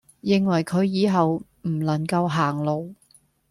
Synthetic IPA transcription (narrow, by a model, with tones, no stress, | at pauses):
jɪ˨˧ŋwɐ˨˩jkʰɵ˨˧ɥjiː˨˧ɦɐ˨w | m̩˨˩lɐ˨˩ŋkɐ˧wɦaː˨˩ŋlo˨˧w